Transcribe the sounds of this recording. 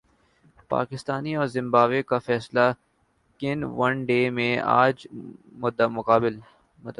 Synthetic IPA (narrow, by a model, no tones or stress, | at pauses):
pa̰ːkɪst̪aːniɔːɾzɪ̃mbaːʋekafɛːsla | kɪnʋɐ̃nɖeːmẽa̰ːd͡ʒmʊd̪ːəmʊqaːbɪl | mʊt̪